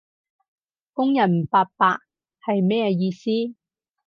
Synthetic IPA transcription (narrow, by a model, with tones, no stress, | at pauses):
kʊ˥ŋjɐ˨˩nm˨˩paː˧t̚paː˧k̚ | hɐ˨jmɛː˥˧jiː˧siː˥